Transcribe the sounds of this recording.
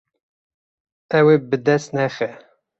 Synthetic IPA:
ɛwebɨd̪ɛst̪nɛxɛ

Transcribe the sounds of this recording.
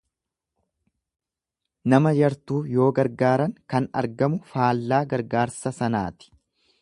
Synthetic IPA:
nɐmɐd͡ʒɐɾt̪uːjo̞ːɡɐɾɡaːɾɐŋkɐnɐ̰ɾɡɐmʊfaːlːaːɡɐɾɡaːɾsɐsɐna̰ːt̪ɪ̥

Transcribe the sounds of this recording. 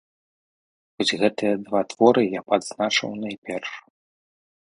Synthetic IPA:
xɔzʲɣɛt̪ɨjɐd̪vat̪v̥ɔɾɨjapad̪znat͡ʂɐ̰wnajpʲɛrʂ

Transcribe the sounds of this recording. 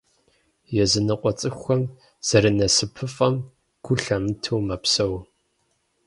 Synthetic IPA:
jɛzɨnɨqʷɔt͡sʼɨxʷɐm | z̥ɐɾɨnɐsɨpʰɨfʼɐm | ɡ̥ʷʊɬɐmɨtʰuwmɐpsɐw

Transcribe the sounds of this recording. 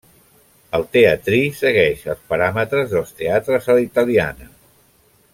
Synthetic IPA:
əlˠt̪eət̪ɾisəɣɛʃəlˠspəɾamət̪ɾəzðəlˠst̪eat̪ɾəzəlit̪əlia̰nə

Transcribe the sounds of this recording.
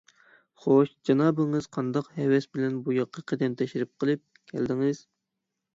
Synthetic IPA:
χoʃd͡ʒɑnɑːbɪŋɨz̥qʰɑnd̪ɑqhɛwɛsbɪlɛnbujɑqʰːɑqʰəd̪ɛmt̪ʰɛʃiɾɪp̚qʰəlˠɨp̚kʲʰɛ̰ld̪ɪŋɪz̥

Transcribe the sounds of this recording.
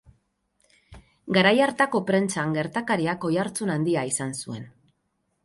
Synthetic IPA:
ɡaɾajaɾt̪ako̞pɾe̞nt͡saŋɡe̞ɾt̪akaɾiako̞jaɾt͡sunand̪iaisansue̞n

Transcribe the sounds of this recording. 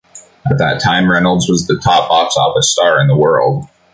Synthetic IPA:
ət̪̚ðɨ̰tʰãɪ̃mɹɛnl̩ˠdzwʌzðɨtʰɑpɑpsɔ̰fɨstɑɹɨ̃nðəwɜ˞lˠd̥̚

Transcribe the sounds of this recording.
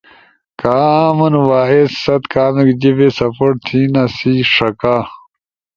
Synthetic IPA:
kaːmɐnwaːessɐt̪kʰaːmikd͡ʑibesɐpoʈ̚t̪ʰiːnasiːʂɐka

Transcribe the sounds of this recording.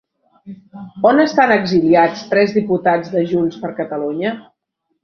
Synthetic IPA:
onəst̪anəɡziliat͡st̪ɾɛzðiput̪ad͡zðəʒuɲspəɾkət̪əluɲə

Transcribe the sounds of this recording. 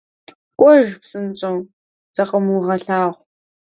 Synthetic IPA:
kʷʼɔʒpsɨnt͡ʃʼɐw | z̥ɐqəmuʁɐɬaːʁʷ

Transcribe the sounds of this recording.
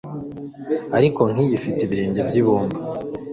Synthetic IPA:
aɾiko̞ŋ̥iβifiteβiɾe̞ːɲɟe̞bɟiβuːŋɡa

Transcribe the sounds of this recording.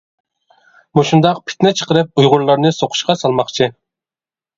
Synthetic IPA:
muʃund̪ɑqpʰɪ̥t̪nɪt͡ʃʰə̥qəɾɨp̚ujʁʊɾlˠɑɾnɨsoqʰʊ̥ʃqɑsɑlˠmɑχt͡ʃʰi

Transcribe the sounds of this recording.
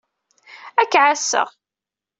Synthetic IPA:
ækːʕasːə̰ʁ

